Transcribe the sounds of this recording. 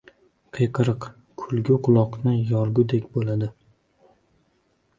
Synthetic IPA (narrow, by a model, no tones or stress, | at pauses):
qʰɨjqʰɨɾɨq | kʰʊlˠɡʲʊqʰʊlˠɒqnɪjɒɾɡʲʊd̪ekʲbolad̪ɪ